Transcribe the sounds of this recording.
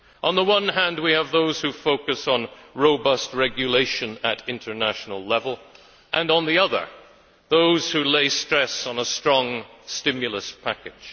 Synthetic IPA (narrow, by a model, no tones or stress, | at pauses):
ʔə̃nðəwʌ̃nɦæ̃nd̚wiəvðoʊz̥hʉfoʊkɨsn̩ɹoʊbʌst̚ɹɛɡjɨleɪʃɨ̃nɨɾɪ̃ntʰə˞næʃn̩l̩ˠlɛvəl̩ˠ | ʔə̃nə̃nðiʌðə̰˞ | ðoʊz̥hʉleɪstɹ̥ɛsn̩əstɹ̥ɔ̃ŋstɪ̃mjɨl̩ˠəspʰækɪd̥ʒ̥